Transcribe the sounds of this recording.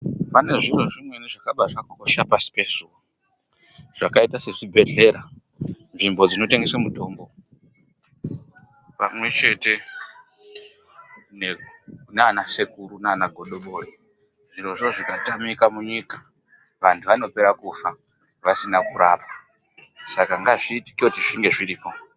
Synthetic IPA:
pane̞ʐiro̞ʐimweneʐakaɓaʐakokoʃapasi̥pe̞zuwo | ʐ̥akaitase̞ʐibʱe̞ɮe̞ɾa | nʐimbo̞d͡zino̞te̞ŋɡe̞semuto̞ːmbo̞ | pamwe̞t͡ʃe̞te̞ | nenaːnasekuɾunanaɡʱo̞ɗo̞ɓori | iro̞ʐo̞ʐikatamikamuɲikḁ | ʋantʰuʋano̞pe̞ɾakufa | ʋasinakuɾaːpa | sakaŋɡaʐiːti̥ketiʐiŋɡe̞ʐiɾiːpo

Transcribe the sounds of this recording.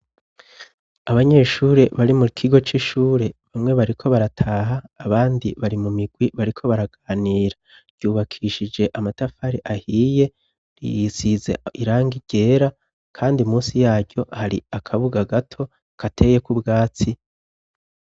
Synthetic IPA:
aβaɲe̞ːʃuːɾe̞βaɾimukʰiɡo̞t͡ʃiʃuːɾe̞βamŋe̞βaɾikʰo̞βaɾatʰaːɦaːβaːndiβaɾimumiɡ̥wiβaɾikʰo̞βaɾaɡ̥aːniːɾa | ɾɟuːβakʰiʃid͡ʒe̞ʔamatafaɾeʔahiːje̞ | ɾḭzizḛiɾaːŋɡiɟ̥e̞ːɾa | kʰaːndimuːsijaːɾɟo̞haɾḭakʰaβuɡaɡatʰo̞ | kʰatʰe̞je̞kubɡaːt͡si

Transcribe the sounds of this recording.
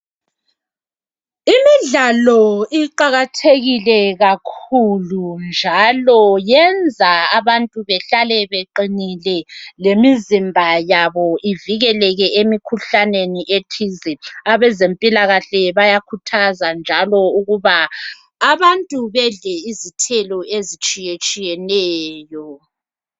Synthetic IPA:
imiɮalɔiǃaɣatʰeɣilɛɣakʰulund͡ʒʱalɔjɛnd͡zʱaaβantʼuβɛɬalɛβeǃinilɛlemizimbʱajaβɔiviɣɛlɛɣɛʔemikʰuɬaneniʔetʰizɛaβɛzempʼilaɣaɬɛβajakʰutʰazand͡ʒʱalɔuɣuβaː | βantʼuβɛɮɛizitʰɛlɔezit͡ʃʼijet͡ʃʼijɛnɛːjɔ

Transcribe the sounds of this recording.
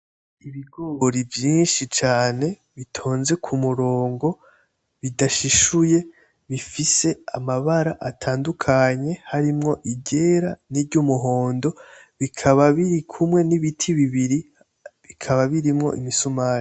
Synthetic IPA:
iβiɡooɾivjiːnʃit͡ʃaːne̞ | βitʰo̞ːnze̞kʰumuɾo̞ːŋɡo̞ | βidaʃiʃuje̞ | βifise̞amaβaɾaʔatʰaːndukʰaɲe̞haɾimŋo̞ʔiɟe̞ɾaniɾɟumuɦo̞ːndo̞ | βikʰaβaβiɾikʰumŋe̞niβitʰiβiβiɾi | βikʰaβaβiɾimŋo̞̰ʔḭmisumaːɾi

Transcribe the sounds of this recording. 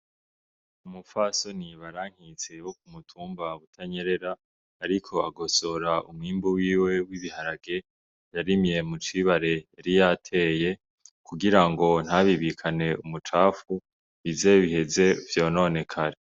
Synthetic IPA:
umufaso̞niβaɾaːŋ̥hit͡se̞βok̚umutʰuːmbaβutʰaɲe̞ɾe̞ɾaː | ɾikʰo̞aɡo̞so̞ɾaʔumŋiːmbuwiːwe̞wiβihaɾaɡe̞ | jaɾimje̞mut͡ʃiβaɾe̞ːɾijatʰe̞ːje̞ | kuɡiɾaŋɡo̞n̥aβiβikʰane̞umut͡ʃaːfu | βize̞βihe̞ze̞vjo̞ːno̞ne̞kʰaɾe

